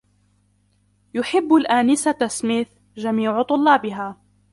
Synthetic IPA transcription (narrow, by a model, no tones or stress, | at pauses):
jʊħɪbːalʔaːnɪsat̪asmɪθ | d͡ʒamiːʕt̪ˤʊlːɑːbɪɦaː